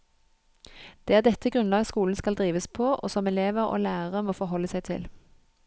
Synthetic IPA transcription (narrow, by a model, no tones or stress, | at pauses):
d̪̥eːæːʁd̪ɛt̪ːəɡʁʉnlɑːɡskuːln̩skɑld̪ʁiːʋəspʰoːʔo̰ːsɔmɛleːʋəʁo̰ːlæːʁəʁəmoːfɔʁɦɔlːəsæɪt̪ʰɪ̰l